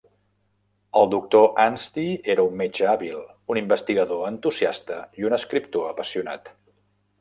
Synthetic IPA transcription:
əlˠd̪uk̚t̪oʔanst̪ieɾəumːed͡ʒəaβilˠunimbəst̪iɣəðoənt̪uziast̪əiunəskɾip̚t̪oəpəsiuna̰t̪

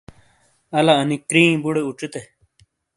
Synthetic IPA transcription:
ɐlaɐnikɾĩːbuɽeuʈ͡ʂit̪e

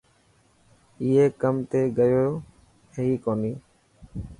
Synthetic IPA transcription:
iːeːkəmt̪eːɡəjoː | heɦiːkoːniː

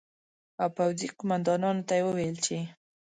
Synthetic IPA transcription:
awpawziqʊmand̪ɑnɑnot̪ajewəwelt͡ʃe

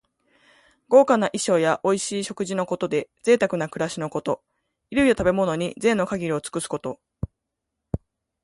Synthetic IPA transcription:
ɡ̥o̞ːkanaʔiɕo̞ːjaʔo̞iɕiːɕo̞kɯ̟ʑino̞ko̞t̪o̞d̪e̞d͡ze̞ːt̪akɯ̟nakɯ̟ɾaɕino̞ko̞t̪o̞ | iɾɯjot̪abe̞mo̞no̞ɲ̟izẽ̞nːo̞kaɡʲiɾʲio̞t͡sɨ̥kɯ̟sɨ̥ko̞t̪o̞

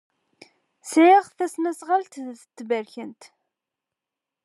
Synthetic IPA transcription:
sʕiʁθæsnæsʁəlt̪θə̥t͡s̪ːbəɾçənt̪

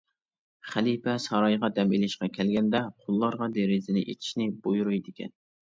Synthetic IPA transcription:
χælipʰɛsɑɾɑjʁɑd̪ɛmelɪʃqɑkʲʰɛlɡʲɛnd̪ɛqʰʊlˠːɑɾʁɑd̪eɾɪzɪnɪʔḛt̪ʰɪ̥ʃnɪbujuɾujd̪ɪkʲʰɛ̰n

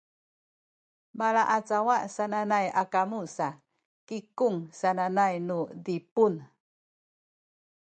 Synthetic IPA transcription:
maɭaʔat͡sawaʔsananajakamusa | kikuŋsananajnudipun

